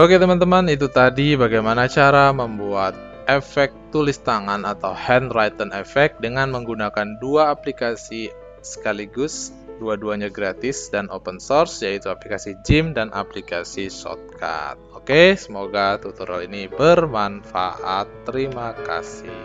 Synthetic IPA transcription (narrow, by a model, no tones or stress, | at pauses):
oket̪əmant̪əmanit̪̬ut̪adibaɡajmanat͡ʃaɾaməmbuat̪̚ | ʔefɛk̚t̪ulist̪aŋanat̪awhɛnrajt̪ənefɛk̚dəŋanməŋɡunakanduaːplikasi | sə̥kaliɡʊs | duaduaɲaɡɾat̪ɪsdanopənsɔrsjait̪uaplikasid͡ʒimdanʔa̰plikasisɔ̰t̪̚kʰa̰t̪̚okesəmoɡat̪ut̪uɾa̰linibərmanfa̰ʔat̪ːəɾimaka̰sɪ̰h